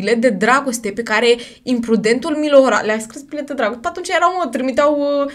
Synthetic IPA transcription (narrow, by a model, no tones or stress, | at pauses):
ilet̪̚d̪e̞d̪ɾaɡo̞st̪e̞pekaɾe̞ | impɾud̪e̞nt̪ulmiloɾa̰leaskɾisbilet̪̚d̪ed̪ɾaɡost̪eat̪unt͡ʃjeɾawunot̪ɾimit̪eaw